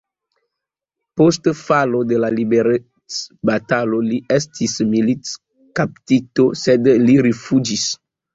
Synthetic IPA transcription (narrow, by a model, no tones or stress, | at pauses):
postfalo̞de̞lalibeɾe | t͡sbataloliestʰismilit͡s | kaptito̞sedliɾifud͡ʒis